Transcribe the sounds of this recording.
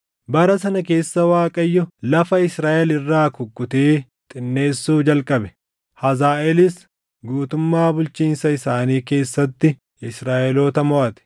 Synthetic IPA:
bɐɾɐsɐnɐke̞ːsːɐwaːkʼɐjːʊlɐfɐɪsɾaːʔɛlɪrːaːkʊkʼːʊt̪eː | t̪ʼɪnːe̞ːsːuːd͡ʒɐlkʼɐbɛ̥ | hɐzaːʔɛlɪs | ɡuːt̪ʊmːaːbʊlt͡ʃiːnsɐɪsaːniːke̞ːsːɐt̪ːɪ | ɪsɾaːʔɛloːt̪ɐmɔʔɐt̪ɛ̥

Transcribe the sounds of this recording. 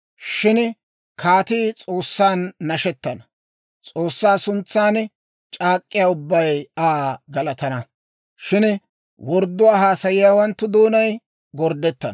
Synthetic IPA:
ʃɪn | kʰaːt̪iːt͡sʼo̞ːsːaːnːɐʃɛt̪ːɐnɐ | t͡sʼoːsːaːsʊnt͡sːaːn | t͡ʃʼaːkʼːɪjaːʊbːɐjaːɡɐlɐt̪ɐnɐ | ʃɪn | wɔɾd̪ːʊwaːɦaːsɐjɪjaːwɐnt̪ːʊd̪oːnɐj | ɡɔɾd̪ɛt̪ːɐn

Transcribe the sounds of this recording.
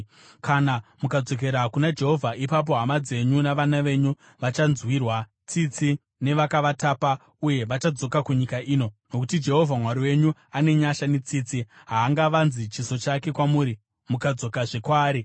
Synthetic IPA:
kʰanamukad͡zo̞k̬e̞ɾakunad͡ʒe̞ɦo̞vʱaʔipap̬o̞ɦamad͡ze̞ɲunaʋanaʋe̞ːɲu | ʋat͡ʃanzwiːrwa | t͡sit͡si | ne̞ʋakaʋataːpa | uje̞ʋat͡ʃad͡zo̞kakuɲikaʔiːno̞no̞kutid͡ʒe̞ɦo̞vʱamwaɾiwe̞ɲuane̞ɲaʃanet͡siːt͡si | ɦaːŋɡaʋanzit͡ʃiso̞t͡ʃake̞kwamuːɾi | mukad͡zo̞kaʐe̞kwaːɾi

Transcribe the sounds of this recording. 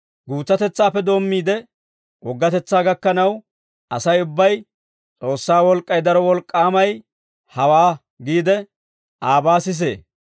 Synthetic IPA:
ɡuːt͡sːɐt̪ɛt͡sːaːpːɛd̪o̞ːmːiːd̪ɛ | ʔɔɡːɐt̪ɛt͡sːaːɡɐkːɐnɐw | ʔɐsɐjʊbːɐj | t͡sʼo̞ːsːaːwɔlkʼːɐjd̪ɐɾɔwɔlkʼːaːmɐj | hɐwaː | ɡiːd̪ɛ | ʔaːbaːsɪs̬e̞̰ː

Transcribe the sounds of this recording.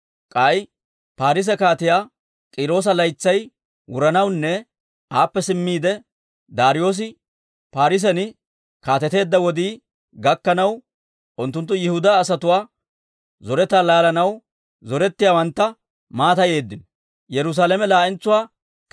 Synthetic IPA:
kʼaj | paːɾɪs̬ɛkaːt̪ɪjaː | kʼiːɾo̞ːs̬ɐlɐjt͡sːɐj | wʊɾɐnɐwnːɛ | ʔaːpːɛsɪmːiːd̪ɛ | d̪aːɾɪjo̞ːs̬ɪ | paːɾɪs̬ɛnɪ | kaːt̪ɛt̪e̞ːd̪ːɐwɔd̪iː | ɡɐkːɐnɐw | ʔʊnt̪ːʊnt̪ːʊjɪhʊd̪aːsɐt̪ʊwaː | zɔɾɛt̪aːlaːlɐnɐw | zɔɾɛt̪ːɪjaːwɐnt̪ːɐ | maːt̪ɐje̞ːd̪ːɪnɔ | jɛɾʊs̬aːlɛmɛlaːʔɪnt͡sːʊwaː

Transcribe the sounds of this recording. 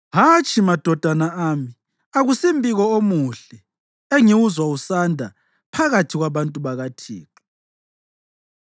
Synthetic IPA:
ɦat͡ʃʼimad̥ʱɔd̥ʱanaaːmi | aɣusimbʱiɣɔomuɬɛ | eŋiwuzwausandʱa | pʰaɣatʰiɣwaβantʼuβaɣatʰḭːǁu̥

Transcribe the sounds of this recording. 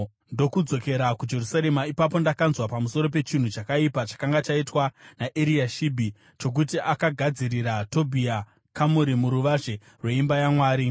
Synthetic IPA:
ndo̞kud͡zo̞ke̞ɾakud͡ʒe̞rusaɾe̞maipap̬o̞ndakanzwapamuso̞ɾo̞p̬e̞t͡ʃin̤ut͡ʃakaipat͡ʃḁkaŋɡat͡ʃaitwanaʔeɾiaʃibʱi | t͡ʃo̞k̬utiʔakaɡʱad͡ziɾiɾato̞bʱia | kamuɾimuɾuʋaʐe̞ | rwe̞imbajamwaːɾi

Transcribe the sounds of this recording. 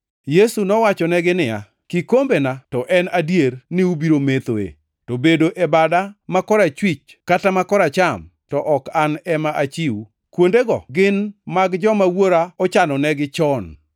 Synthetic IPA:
jesunɔwat͡ʃɔnɛɡɪnɪja̰ | kikombenatɔʔɛnadjernɪubiɾomet̪oḛ | tobedoʔebadamakɔɾat͡ʃwit͡ʃkatamakɔɾat͡ʃam | tɔʔɔkanɛmaʔat͡ʃiu | kwondeɡɔ̰ɡɪnmaɡd͡ʒɔmawoɾaɔt͡ʃanɔnɛɡɪt͡ʃɔn

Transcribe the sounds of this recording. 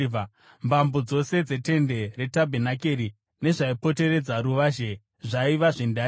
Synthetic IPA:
mbambod͡zo̞se̞d͡ze̞te̞nde̞re̞tabʱenakeɾi | ne̞ʐaipo̞te̞ɾe̞d͡zaɾuʋaːʒe | ʐaiʋaʐenda

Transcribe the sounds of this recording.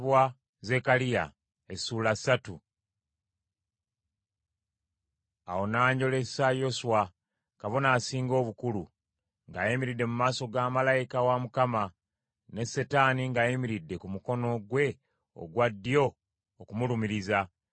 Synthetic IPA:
βwa | ze̞kalija̰ | esuːlasatu | a̰wo̞naːɲɟo̞le̞sajo̞suwa | kaβonaːsiːŋɡo̞ːβukulu | ŋɡaːjimiɾidːe̞mumaːso̞ɡaːmalajikawamukama | ne̞se̞taniŋɡaːjimiɾidːe̞kumuko̞no̞ɡwe̞ | o̰ɡwadːijo̞ː | kumulumiɾiza

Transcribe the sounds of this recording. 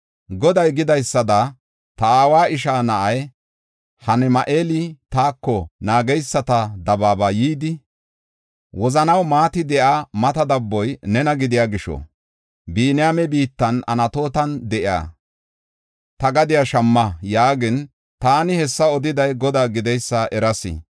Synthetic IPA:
ɡɔd̪ɐjɡɪd̪ɐjsːɐd̪ɐ | t̪ɐaːwaːʔɪʃ̬aːnɐʔɐj | hɐnɛmɐʔeːlit̪aːkːɔnaːɡɛjsːɐt̪ɐd̪ɐbaːbɐjiːd̪ɪ | wɔzɐnɐwmaːt̪ɪd̪ɛʔamɐt̪ɐd̪ɐbːɔjnɛnɐɡɪd̪ɪjaːɡɪʃɔ̰ | biːnɪjamɛbiːt̪ːɐnɐ̰nɐt̪o̞ːt̪ɐnd̪ɛʔɪa̰ː | t̪ɐɡɐd̪ɪjaʃɐmːɐjaːɡɪn | t̪aːnɪhɛsːɐɔd̪ɪd̪ɐjɡɔd̪aːɡɪd̪ɛjsːɐʔɛɾɐsɪ̰

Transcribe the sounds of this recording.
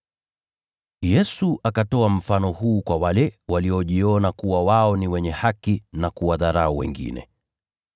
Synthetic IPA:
jɛsuʔakatɔam̩fanɔhuːkwawalɛwaliɔʄiɔnakuwawaɔniwɛɲɛhakinakuwaðaɾauwɛ̰ŋɡḭnɛ̰

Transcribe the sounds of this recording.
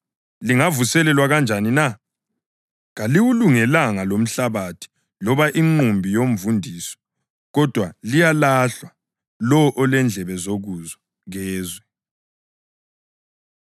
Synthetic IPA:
liŋavusɛlɛlwaɣand͡ʒʱanina | ɣaliwuluŋɛlaŋalom̩ɬaβatʰi̥ | lɔβaʔiŋ͡ǃumbʱijom̩vundʱiːsɔ̥ | ɣɔd̥ʱwalijalaɬwa | lɔʔɔlɛnd͡ɮʱɛβɛzoɣuzɔ | ɣɛːzwɛ

